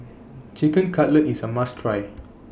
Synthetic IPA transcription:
t͡ʃikə̃nkʰatlətisəmastʰɹaj

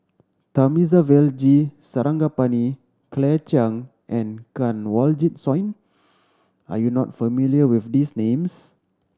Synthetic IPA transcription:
t̪amizavɛld͡ʒisəɾãŋɡapani | klɛt͡ʃãŋ | ʔɛ̃nkãnwɔld͡ʒit̚sɔ̃j̃n | ʔa̰junɔtfəmiliəwifdisnẽms

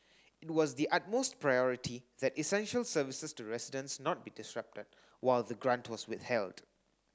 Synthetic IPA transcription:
ɪt̚wɔzdiʔat̚mostpɹajɔɹitʰiðɛtisɛ̃nʃəlsəvɪsəstuɹɛsɪdə̃nsnɔt̚b̥idɪsɹʌp̚təd̚ | waɪlðəɡɹãntʰwɔswɪθhɛld

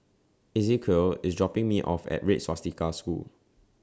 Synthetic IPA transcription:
izikʰəlisdɹɔpɪ̃ŋmiʔɔfɛ̰t̚ɹetsɔstikaskṵl

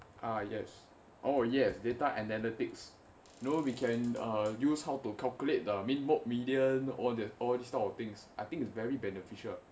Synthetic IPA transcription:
ʔajɛs | ʔojɛsdetaʔɛnɛlitɪks | jnowikʰɛ̃najushawtukʰalkjulet̚dəminmok̚midiə̃nɔldɛɔldistatɔft̪ɪ̃ŋsʔajt̪ɪ̃ŋitsvɛɹibɛnəfiʃəl

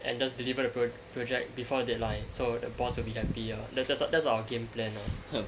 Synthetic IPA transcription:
ʔɛ̰̃nd͡ʒasdilivədəpɹo | pɹod͡ʒɛk̚bifɔdədetlãɪsodəbɔswilbiɦɛpiadɛdɛtsdɛtsawəɡẽmplɛ̃na

